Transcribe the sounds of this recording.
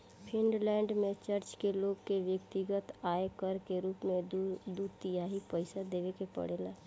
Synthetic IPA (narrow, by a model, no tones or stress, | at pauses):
pʰɪnɖlɛːɳɖmẽt͡ʃəɾt͡ʃkeloːɡkeʋjəkt̪ɪɡət̪aːekəɾkeɾuːpmẽd̪uɾt̪ɪjaɦipəɪsad̪eːʋekepə̰ɽeːlaː